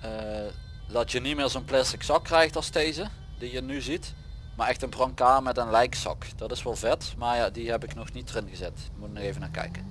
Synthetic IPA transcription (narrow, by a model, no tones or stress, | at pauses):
ə | dɑtjənimɪːɹzonplɛstɪksɑkːrɛjxtɑlˠstejzə | dijənyzit | maɹɛxtənbrɑŋkaːɹmɛtənlɛjksɑ̰kd̥ɑtɪsʋɔlˠvɛtmaɹjadiɦɛpɪknɔxnitərɪnɣəzɛtʋəmutənɔxejvənaːkɛ̰jkən